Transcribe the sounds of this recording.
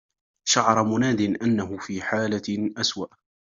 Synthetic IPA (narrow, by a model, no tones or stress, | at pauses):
ʃaʕɑɾˤmʊnaːd̪ɪnʔanːaɦʊfiːħaːlaʔaswaʔ